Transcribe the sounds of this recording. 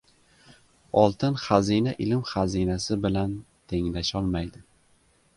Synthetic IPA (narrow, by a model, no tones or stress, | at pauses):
ɒlˠt̪ʰɪnχazinaʔɪlɪmχazinasɪbɪlan | t̪ʰe̞ŋlaʃɒlˠmajd̪ɪ